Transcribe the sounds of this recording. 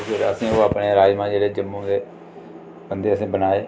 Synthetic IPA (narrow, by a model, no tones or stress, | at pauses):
eɾəsĩːoːapɳeːɾaːd͡ʒmãːd͡ʒeːɾeːd͡ʒəmːũːd̪eː | bənd̪eːəsĩːbənaːeː